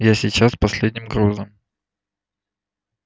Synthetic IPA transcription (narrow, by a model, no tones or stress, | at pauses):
jasʲɪt͡ɕaspɐsʲlʲed̪ʲnʲɪmɡɾuznəm